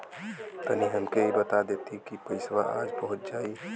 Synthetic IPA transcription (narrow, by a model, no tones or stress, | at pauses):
t̪əniɦəmkeibət̪ad̪et̪ʰikipəɪsʋaʔad͡ʒbəɦut̪̚d͡ʒaːi